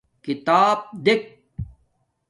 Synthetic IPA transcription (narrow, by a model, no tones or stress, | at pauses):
kit̪aːb̚d̪ek̚